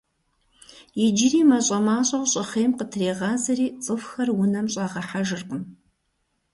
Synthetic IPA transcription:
jɪd͡ʒɪriːmɐɕʼɐmaːɕʼɐwɕʼɪχeːmqətʰreːʁɑːzɐriːt͡sʼɨfxɐrwʊnɐmɕʼɑːʁɐħaʒɨrqən

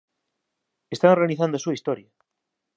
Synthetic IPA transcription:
est̪aŋreaniθand̪oasuaist̪ɔɾjɐ

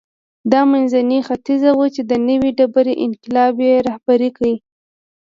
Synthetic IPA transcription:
d̪ɑmanzanixat̪izawut͡ʃed̪ənəwiɖabaɾeʔɪnqɪlɑbjeɾɑhbaɾikawi

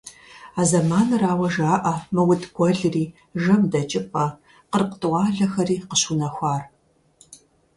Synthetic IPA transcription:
aːzɐmaːnɨɾaːwɐʒaːʔɐmɨwʊtɡ̥ʷɔɮɨriː | ʒɐmdɐt͡ʃʼɪpʼɐ | qərqətʼɨwɑːɮɐxɐriːqəɕunɐxʷaːr

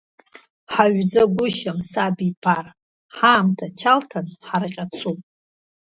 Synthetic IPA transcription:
ħaɥd͡zaɡʷʊʃamsabipʰar | ħaːmtʰat͡ʃʰaltʰanħarqʲʼat͡sʰupʼ

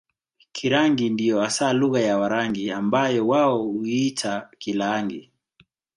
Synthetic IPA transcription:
kʰiɾaŋɡindijɔasaːluɣajawaɾaŋɡiambajɔwaɔuitʰakilaŋɡi

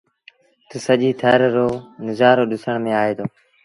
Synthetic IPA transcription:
t̪uːsəʄiːt̪ʰəɾːoːnɪzaːɾoːɗɪsəɳ̃mẽːaːɦeːd̪oː

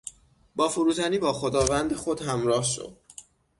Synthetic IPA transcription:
bɒːfoɾuːt̪ʰæniːbɒːxo̞d̪ɒːvænd̪exo̞d̪hæmɾɒːhʃo̰d̪̥

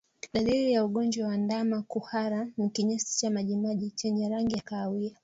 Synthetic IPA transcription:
ɗaliɾijauɠɔnd͡ʒwawandamakuhaɾanikiɲasi̥t͡ʃamaʄimaʄit͡ʃɛɲɛɾaŋɡiakaːwia

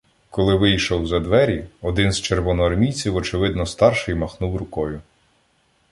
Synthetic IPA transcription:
kɔlˠɪʋɪjʃɔwzɐd̪ʋɛɾʲiɔd̪ɪnzt͡ʃerʋɔnɔɦɔɾmʲijt͡sʲiwɔt͡ʃɪʋɪd̪nɔst̪ɑrʃɪjmɐxnuwɾʊkɔjʊ

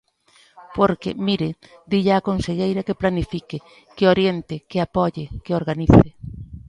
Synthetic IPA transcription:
poɾkɪ̰miɾɪd̪iʎaːkonseʎejɾɐkɪplanifikɪ | kɪoɾjent̪ɪkɪapɔʎɪkeoɾɣaniθɪ

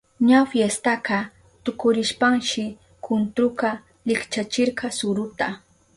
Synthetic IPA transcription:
ɲafjest̪aqɑ | t̪ʊkʊɾɪʃpaŋʃɪ | kʰʊnt̪ɾʊqɑ | lɪkt͡ʃat͡ʃɪɾqɑsʊɾʊt̪a

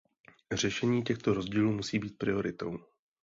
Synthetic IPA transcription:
r̝ɛʃɛɲiːcɛxt̪o̞ɾo̞zɟiːluːmusiːbiːt̪̚pɾɪo̞ɾɪt̪o̞̰w

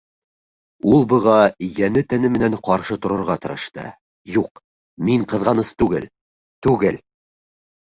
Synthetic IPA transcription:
ulˠbɤ̆ʁɑjænɘt̪ænɘmɘ̆næɴqɑɾʃɤt̪ŏɾɤ̆ɾʁɑt̪ɤ̆ɾɤ̆ʃt̪ɤ̰ | juq | miɴqɤ̆ðʁɑnɤst̪ʉɡɘ̰l | t̪ʉɡɘl

